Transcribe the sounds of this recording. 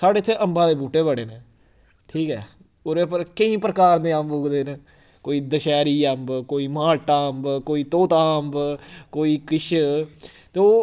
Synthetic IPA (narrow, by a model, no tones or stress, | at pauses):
saːɖeːɪt̪ʰːeːʔəmbãːd̪eːbuːʈeːbəɽeːneː | ʈʰiːkɛ̰ː | oɾepəɾkəĩːpɾəkaːɾd̪eːə̃mboɡd̪eːne | koːiːd̪əʃɛːɾiːəmbkoːiːmaːlʈaəmbkoːiːt̪oːt̪aːmbkoːiːkɪʃ | t̪eoː